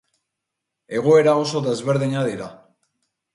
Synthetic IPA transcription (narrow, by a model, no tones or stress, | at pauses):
e̞ɣo̞e̞ɾao̞so̞ðe̞zβe̞ɾðiɲaðiɾa